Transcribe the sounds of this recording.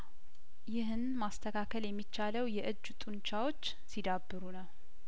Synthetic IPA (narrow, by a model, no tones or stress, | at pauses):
jɪɦɨnmast̪ʰəkʰakʰəljɛmːit͡ʃːaləwjɛʔɨd͡ʒːt̪ʼɨnt͡ʃʰawo̞t͡ʃː | sid̪abːɨɾunəw